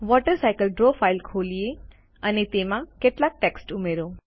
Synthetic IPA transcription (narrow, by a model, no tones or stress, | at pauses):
ʋɔʈəɾsajkəlɖɾofailkʰolije | ənet̪emãkeʈlak̚ʈɛksʈumeɾo